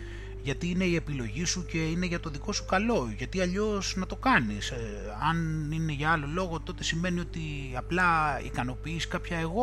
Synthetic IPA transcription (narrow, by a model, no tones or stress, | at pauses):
ʝɐt̪iine̞ie̞pilo̞ʝisuce̞ine̞ʝɐt̪o̞ðiko̞su̥kɐlo̞ʝɐt̪iɐʎo̞snɐt̪o̞kɐnis | ɐnine̞ʝɐɐlo̞lo̞ɣo̞t̪o̞t̪e̞sime̞nio̞t̪i | ɐplɐḭkɐno̞piːsi̥kɐpçɐe̞ɣo̞